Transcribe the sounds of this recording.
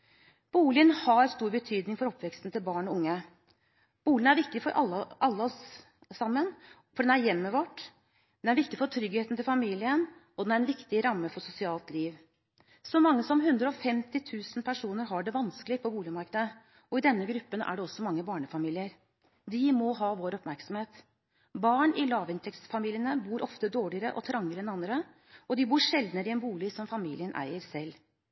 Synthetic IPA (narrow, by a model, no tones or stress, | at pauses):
b̥uːlɪənhɑɾst̪uːɾbət̪ʰyːd̪nɪŋfɔɾɔpːʋɛkst̪n̩t̪ɪlbɑːɳɔʊŋːə | b̥uːlɪənæɾʋɪkt̪ɪfɔɾʔɑʔɑlːəɔs | sɑmːən | fɔɖɛnæɾjɛmːəʋɔʈː | d̪ɛnæɾʋɪkt̪ɪfɔʈ̪ʰɾʏɡheːt̪n̩t̪ʰɪlfɑmiːlɪənɔd̪ɛnæɾɛnʋɪkt̪ɪɾɑmːəfɔʂʊsɪɑːlt̪liːʋ | sɔmɑŋːəsɔmɦʉnd̪ɾəɔfɛmt̪ɪt̪ʰʉːsn̩pʰæʂuːnəɾɦɑɖɛʋɑnsklɪpʰɔbuːlɪmɑɾkəd̪ə | ɔɪd̪ɛnːəɡɾʉpːənʔæ̰ɖɛɔsːɔmɑŋːəbɑːɳəfɑmiːlɪəɾ | d̪ɪmɔɦɑːʋoːɾɔpmæɾksɔm̩heːt̪ | bɑːɳɪlɑːʋɪnt̪ʰɛk̪sfɑmiːlɪjənəbuːɾʔɔft̪əd̪oːɭɪəɾəʔɔ̰t̪ʰɾɑŋːəɾəɛnɑnd̪ɾə | ɔd̪ɪbuːɾʂɛld̪nəɾəɪɛnbuːlɪsɔmfɑmiːlɪənʔæ̰ɪəɾsɛlː